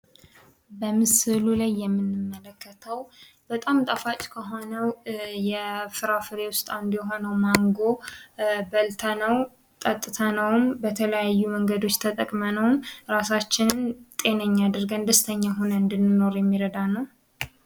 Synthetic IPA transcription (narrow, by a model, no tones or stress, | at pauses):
bəmɨsɨlulajːɛmːɨnːɨmːələkʰːət̪ʰəw | b̥ət̪ʼamt̪ʼəfat͡ʃʼkʰəɦo̞nəwjɛfɨɾafɨɾe̞wʊst̪ʼand̪jɛɦo̞nəwmaŋɡo̞ | bəlt̪ʰanəw | t̪ʼət̪ʼːɨt̪ʰanəwmbət̪ʰələjajːuməŋɡəd̪o̞t͡ʃːt̪ʰət̪ʼəkʼmənəwmɾasat͡ʃːɪnt̪ʼe̞nəɲːad̪ɨɾɡənd̪əst̪ʰəɲːaɦonəɨnd̪ɨnːɨno̞ɾjɛmːiɾəd̪anəw